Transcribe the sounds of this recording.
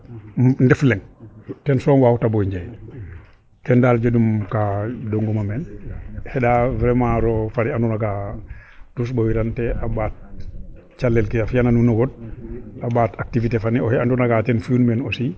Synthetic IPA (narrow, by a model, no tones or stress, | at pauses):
ndɛflɛŋtɛnsɔːnwaːwutabɔiɲd͡ʒaj | kɛndaːld͡ʒodumkadoŋɡɔmamɛnhɛdavɾɛmaɾɔfaɾiandunaɡa | tusbowiɾantɛʔabaːt̚ | t͡ʃalːɛlkiafjananunoɡɔd̚abaːtak̚tivitefaniɔhɛandunaɡatɛnfjunmenosi